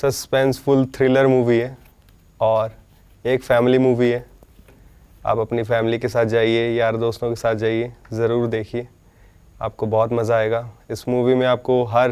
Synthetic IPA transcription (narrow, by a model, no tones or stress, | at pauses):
sɐspɛ̃ːnsfʊlt̪ʰɾɪləɾmuːʋiɦɛː | ɔːɾ | eːkfɛːmlimuːʋiɦɛː | a̰ːpɐpnifɛːmɪlikesaːt̪̚ʰd͡ʒaːɦiejaːəɾd̪oːst̪õkesaːt̪̚ʰd͡ʒaːɦiezɐɾuːɾd̪eːkʰieː | a̰ːp̚kobɔːt̪mɐzaːeːɡaːɪsmuːʋimẽaːp̚koɦɐɾ